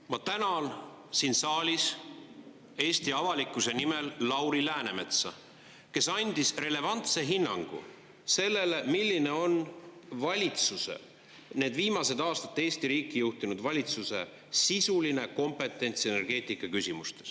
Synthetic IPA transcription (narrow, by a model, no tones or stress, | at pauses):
mɑt̪ænɑn | siːnsɑːlʲis | e̞ːst̪iɑvɑlikːˑuse̞nimelːɑwɾilæːne̞me̞t̪sɑ | ke̞sɑnʲd̪̥isre̞le̞vɑnt̪se̞ɦinːɑŋɡ̥ṵ | se̞lːe̞le̞milʲːine̞o̞nvɑlʲit̪susḛ | ne̞ːd̪viːmɑse̞d̪̥ɑːst̪ɑ̥t̪ːˑeːst̪iɾiːkːˑijuht̪inud̪vɑlʲit̪suse̞̰ | sisuline̞ko̞mpe̞t̪ːˑe̞nʲt̪se̞ne̞rɡ̥e̞ːt̪ˑikːˑɑkysʲimust̪e̞̥s